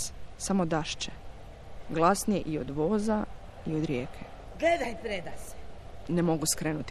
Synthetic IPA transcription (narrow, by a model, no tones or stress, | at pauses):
samo̞d̪aʃt͡ʃe | ɡlˠasnijeʔiod̪ʋo̞ːza | iod̪ɾjeːkʰe | ɡled̪ajpɾed̪asenemo̞ɡuskɾeːnut̪